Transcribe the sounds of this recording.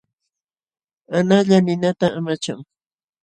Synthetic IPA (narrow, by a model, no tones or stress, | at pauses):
anaʎanɪnat̪aamat͡ʃaŋ